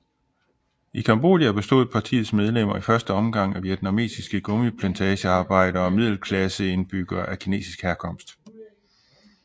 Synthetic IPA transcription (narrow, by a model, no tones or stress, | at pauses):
ikʰɑmb̥o̝̰ːdˠjæb̥e̝sd̥o̝̰ð̞̩̰ˠpʰɑ̈t͡sʰḭːð̩ˠsmeð̞ˠlem̰ɐifɶɐsd̥əɒ̽mɡ̥ɑ̈ŋ̰æʋjed̥næme̝̰ːsisɡ̥əɡ̥ɔ̽mipʰlænt͡sʰɛːɕəɑ̈ːb̥ɑ̈ɪ̰d̥ɐɒ̽mið̞̰ˠl̩kʰlæsəe̝nb̥yɡ̥ɐʔækʰine̝̰ːsisɡ̥hæɐkʰɒ̽m̰sd̥